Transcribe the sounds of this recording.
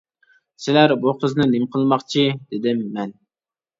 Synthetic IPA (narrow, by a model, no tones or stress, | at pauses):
sɪlæɾbuqʰəznɪnɪmqʰəlˠmɑqt͡ʃʰid̪̥ɪd̪ɪmːɛn